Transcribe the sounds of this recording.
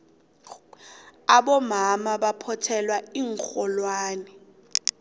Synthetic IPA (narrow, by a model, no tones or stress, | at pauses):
aɓɔmamaɓapʰɔtʰɛlwaiːŋk͡xɔlwaːnɛ